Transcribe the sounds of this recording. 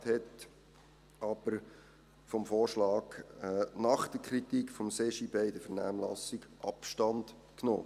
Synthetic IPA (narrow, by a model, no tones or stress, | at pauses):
thɛt | ɑb̥əɾ | fɔmfoːɹʃlɑːɡnɑχd̥̪əkʰɾitikfɔmsɛʃibɛɪdəfəɾnæ̰ːmlɑ̰siɡ̥ʔɑ̰pʃtɑnd̥ | kno̰ː